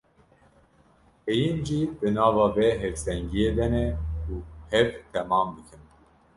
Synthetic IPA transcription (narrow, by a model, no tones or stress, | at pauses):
hejinʒiːdɨnɑːvɑːvɛɦɛvsɛŋɡijed̪ɛnɛuhɛvt̪ʰɛmɑːmb̪ɨkʰɨn